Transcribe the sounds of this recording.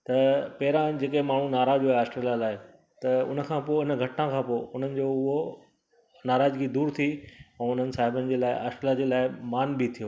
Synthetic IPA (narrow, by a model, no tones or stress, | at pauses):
t̪ɐpɐɦɪɾãd͡ʑeːkemaːɳ̤ũnaːɾaːd͡ʑoeaːsʈɾelalaːɪ | t̪ɐʊ̰nə̆kʰãːpoːɪnə̆ɡʱɐʈnãkʰãːpoːɪʊn̤ənɪ̆d͡ʑoːʊɦo | naːɾaːd͡ʑkid̪uːɾt̪ʰiɛ̃ːʊn̤ənɪ̆saːɦɪbənɪ̆d͡ʑeːlaːɪaːsʈɾelad͡ʑeːlaːɪmaːnbit̪ʰijoː